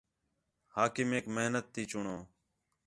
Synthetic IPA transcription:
haːkɪmeːkməɦnət̪ːiːt͡ʃʊɳoː

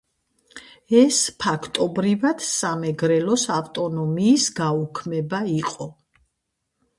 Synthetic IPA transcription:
ɛspʰakʰt̪ʼɔbɾivad̪̥samɛɡɾɛlɔsaft̪ʼɔnɔmiːsɡaukʰmɛbaiqʼɔ

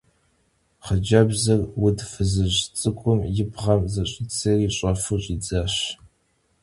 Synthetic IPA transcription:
χəd͡ʒɐbzɐrwʊdfɨzɨʑt͡sʼɨkʷʼʊmjɪbʁɐmzɐɕʼɪt͡sʰɐriːɕʼɐfuɕʼid͡zaɕ

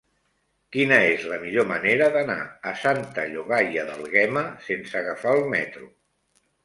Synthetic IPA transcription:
kinəezləmiʎoməneɾəðəna̰əsant̪əʎuɣaʎəðəlˠɣɛməsensəɣəfaəlˠmɛt̪ɾu

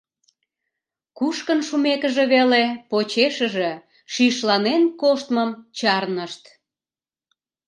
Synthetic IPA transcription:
kuʃkənʃumekəʒe̽βelepot͡ɕeʃəʒe̽ | ʃiʃlɑnenkoʃt̪məmt͡ɕɑrnəʃt̪

